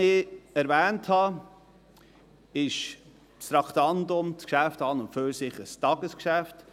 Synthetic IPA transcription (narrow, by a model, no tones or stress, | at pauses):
ɪɛɾvɛːnthɑ | ɪʃ | tstɾɑktɑndʊmt͡skʃæftɑːnʊntføsɪχəstɑɡəskʃæft